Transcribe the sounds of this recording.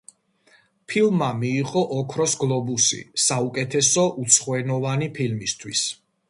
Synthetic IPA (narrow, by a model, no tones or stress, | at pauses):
pʰilˠmamiːʁʼɔʔɔkʰɾɔsɡlˠɔbusḭsaukʼɛt̪ʰɛsɔʔut̪sʰχwɛnɔvanipʰilmist̪ʰwis